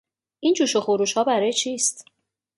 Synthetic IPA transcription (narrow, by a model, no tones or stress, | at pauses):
ʔiːnt͡ʃʰuːʃoxoɾuːʃhɒːbæɾɒːjet͡ʃʰiːst̪